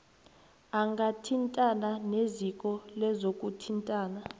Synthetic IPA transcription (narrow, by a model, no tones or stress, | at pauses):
aŋɡʱatʰintʼananezikʼɔlɛzokʼutʰintʼaːna